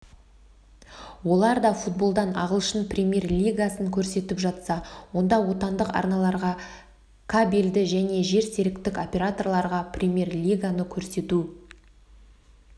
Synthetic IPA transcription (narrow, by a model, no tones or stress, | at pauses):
wo̞lˠɑɾd̪ɑfut̪̚bo̞lˠd̪ɑnɑ̰ʁəlˠʃənpʰrʲemʲje̞rlʲijɡasəŋkʲʰɵɾse̞t̪ɪpʒɑt̪sɑwo̞nd̪ɑwo̞t̪ɑnd̪əqɑ̰ɾnɑlˠɑɾʁɑ | kʰabʲeld̪ɪʒæne̞ʒe̞ɾse̞ɾɪkt̪ɪko̞pʲe̞ɾat̪o̞rlˠɑɾʁɑprʲemʲje̞rlʲijɡanəkʲʰɵɾse̞t̪u